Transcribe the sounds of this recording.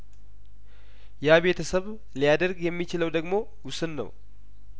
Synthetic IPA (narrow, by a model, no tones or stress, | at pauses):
jaaβe̞t̪ʰəsəβ | lijad̪əɾɡjɛmːit͡ʃɪləwd̪əɡmo̞ | wʊsɨnːə̰w